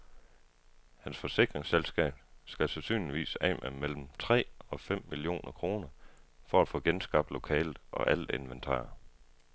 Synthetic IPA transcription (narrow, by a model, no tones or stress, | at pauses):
hænsfɒ̽se̝ɡ̥ʁeŋselsɡ̥ɛ̰ːb̥sɡ̥æsesy̰ːnliʋḭːsɛmʔæmel̰m̩t͡sʰʁɛ̰ːɒ̽fem̰milio̝̰ːnʔɐkʰʁo̝ːnɐfɒ̽æd̥fɔ̰̽ːɡ̥ensɡ̥ɑ̈b̥̚d̥lo̝kʰɛ̰ːlð̩ˠɒ̽ʔæləe̝nʋent͡sʰɑ̰̈ːɐ